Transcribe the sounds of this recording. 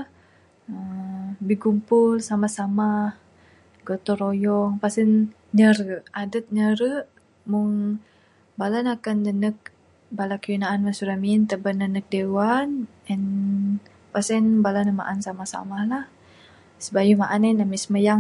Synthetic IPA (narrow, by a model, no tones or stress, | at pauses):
əbihɡumpʊlsamasamah | ɡot̪ɔɾojɔŋpasən | ɲəɾəʔadət̪̚ɲəɾəʔ | mʊŋ | balanakanːənək̚ | balakəjunaʔːnmansuɾamint̪əbənːənək̚dewan | ɛn | pasənbalanəma̰ʔansamahsa̰mahlah | səbajumaʔananamisəməjaŋ